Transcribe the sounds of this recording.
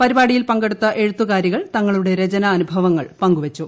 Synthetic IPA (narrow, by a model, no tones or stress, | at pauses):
pɐɾibaːɽijilpɐŋɡe̞ɽut̪ːɐʔe̞ɻut̪ːukaːɾjiɣɐɭt̪ɐŋːɐɭuɽe̞ɾet͡ɕɐnɐːnubʱɐʋɐŋːɐɭpɐŋɡuʋɐt͡ɕːu